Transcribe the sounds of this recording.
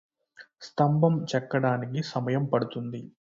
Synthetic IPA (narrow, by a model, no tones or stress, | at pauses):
st̪ɐmbɐmt͡ʃɛkːɐɽaːnikisɐmɐjɐmpɐɽut̪und̪i